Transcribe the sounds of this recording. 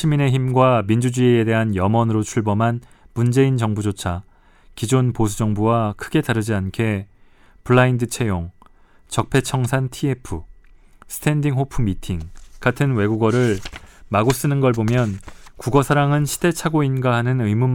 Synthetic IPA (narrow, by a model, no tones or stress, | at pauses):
ɕʰimine̞çimɡwamind͡ʑud͡ʑuede̞ɦanjʌmʌnɯɾot͡ɕʰuɭbʌmɦan | mund͡ʑe̞int͡ɕʌŋbud͡ʑot͡ɕʰa | kid͡ʑonposʰud͡ʑʌŋbuwakʰɯɡe̞taɾɯd͡ʑiankʰe̞ | puɭːaindɯt͡ɕʰe̞joŋ | t͡ɕʌk̚pʰe̞t͡ɕʰʌŋsʰantʰiepʰɯ | sʰɯ̥tʰe̞ndiŋɦopʰɯmitʰiŋkatʰɯnwe̞ɡuɡʌɾɯɭmaɡos͈ɯnɯnɡʌɭbomjʌnkuɡʌsʰaɾaŋɯnɕʰi̥d̥e̞t͡ɕʰaɡoinɡaɦanɯnɯjmum